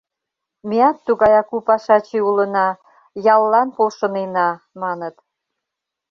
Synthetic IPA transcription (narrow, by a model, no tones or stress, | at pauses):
meɑt̪ːuɣɑjɑkupɑʃɑt͡ɕeulənɑ | jɑlːɑnpolʃə̆nenɑ | mɑnət̪